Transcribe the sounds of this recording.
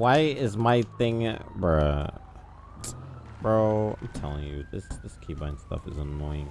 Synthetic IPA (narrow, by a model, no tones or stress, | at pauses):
waɪɪzmaɪθɪ̃ŋb | b̥ɹoʊã̰ɪ̃mtʰɛlˠɪ̃ŋjɨ̰ðɪsðɪskʰibãɪ̃n̥stʌ̰fɨzənɔɪɪ̃ŋ